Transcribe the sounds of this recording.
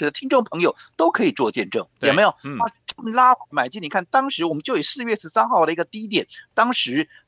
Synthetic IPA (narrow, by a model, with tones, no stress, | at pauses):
ɛ˨˩d̪ə˧t̪ʰi˥nʈ͡ʂʊ˥˩ŋpʰɤ˧˥ŋjo˨˩ʊt̪o˥ʊkʰɤ˧˥i˨˩t͡swɔ˥˧t͡ɕjɛ˥˧nʈ͡ʂɤ˥˩ŋjɛ˨˩me˧˥jʊa˥˩ʈ͡ʂə˥˩mə˧˦nla˥xwa˧˥ɪma˨˩ɪt͡ɕi˥ni˨˩kʰa˥˩nt̪ɑ˥ŋʂɻ̩˧˥wɔ˨˩mə˦nt͡ɕjo˥˩ʊi˨˩sɹ̩˥˧ɥɛ˥˩ʂɻ̩˧˥sa˥nxɑ˥˩ʊd̪ə˩i˧˥ɡə˧t̪i˥˧˥i˥t̪jɛ˨˩˦nt̪ɑ˥ŋʂɻ̩˧˥